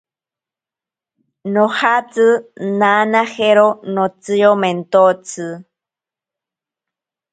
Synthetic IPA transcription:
nohat͡sɨnanaheɾonot͡sɨjoment̪ot͡sɨ

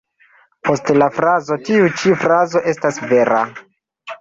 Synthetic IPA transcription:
po̞stelafɾazo̞tiut͡ʃifɾazo̞ʔe̞stasve̞ɾa̰

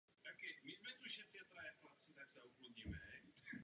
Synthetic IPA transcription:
t̪akɛmizmɛt̪uʃɛt͡sɛt̪ɾajɛxlap̚t͡sit̪aksɛukluɲimɛ

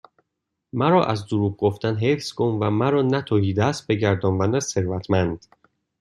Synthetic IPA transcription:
mæɾɒːʔæzd̪oɾuːɡ̚ɡoft̪ænɦefsɡomvæmæɾɒːnæt̪ʰohiːd̪æst̪̚be̞ɟæɾd̪ɒːnvænd̪æzse̞ɾvæt̪ʰmænd̪̥

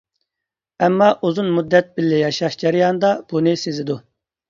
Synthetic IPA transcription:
ɛmːɑʔuzunmud̪ːɛt̪̚bɪlːɪjɑʃɑʃd͡ʒɛɾɪjɑnɨd̪ɑb̥unɨsezɪd̪u

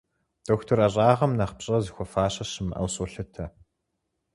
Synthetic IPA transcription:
d̥oːxtʰorɐɕʼaːʁɐmnɐχpɕʼɐzixʷɔfaːɕɐɕɨmɐ̰wsʼoɬɐtʰɐ

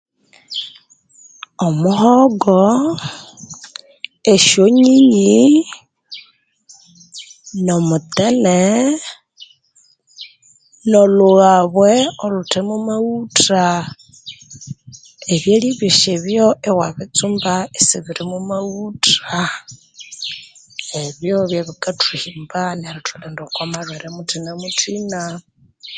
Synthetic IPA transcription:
omuɦɔɡɔ | eʃoɲiɲi | nomutene | noluɣaβweolutʰemumawutɾa | eβjeliβiʃeβjoʔewaβit͡sumbaesiβiɾimumauta | eβjoβjaβikatʰihimbaneɾitʰulendokomaɺweɾemutʰinemutʰina

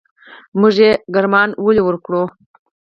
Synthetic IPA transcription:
muʐeɡaɾmɑnwəliwəɾkɽo

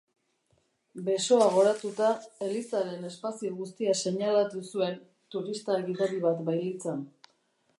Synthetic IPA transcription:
be̞so̞aɣ̞o̞ɾat̪ut̪ae̞lisaɾe̞ne̞spasioɣust̪iase̞ɲalat̪usue̞n | t̪uɾist̪aeɣit̪aɾiβat̪bajlit͡san

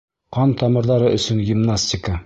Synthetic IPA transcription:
qɑnt̪ɒmɤ̆ɾðɑɾɤʔɵ̆sɵnɡʲimnasʲtʲɪkə

